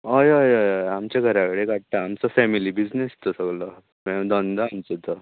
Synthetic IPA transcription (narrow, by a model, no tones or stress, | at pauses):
əjəjəjjamt͡ɕjaɡʱəɾakɽeɡʱaʈʈ̪aːmt͡sɔfɛmilibid͡znest̪ɔsəɡlɔ | mɛd̪ɔnd̪əamt͡sət̪ɔ